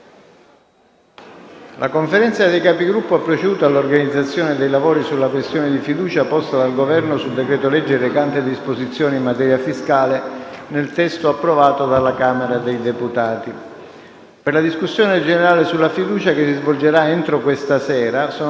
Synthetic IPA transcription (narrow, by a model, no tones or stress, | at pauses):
lʔa̰koɱfeɾɛnt̪sad̪ejkaːpiɡɾupːoapːɾot͡ʃed̪uːt̪alːorɡanid̪zːat̪sːjoːned̪ejlavoːɾisulːakwest̪joːnɪd̪ifid̪uːt͡ʃapɔst̪ad̪alɡovɛrnosuld̪ekɾɛːt̪olɛd͡ʒːeɾekant̪ed̪ispozit̪sːjoːniimːat̪ɛːɾjafiskaːlenelt̪ɛst̪oapːɾovaːt̪od̪alːakaːmeɾad̪ejd̪eput̪aːt̪i | perlad̪iskusːjoːned͡ʒeneɾaːlesulːafid̪uːt͡ʃakesːizvold͡ʒeɾaent̪ɾokwest̪asɛːɾaso